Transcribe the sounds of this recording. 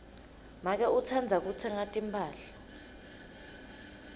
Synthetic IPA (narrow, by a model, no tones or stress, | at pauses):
mak̬ɛut͡sʰand͡zʱak̬ut͡sʰɛŋatʼimpʰʼaːɬḁ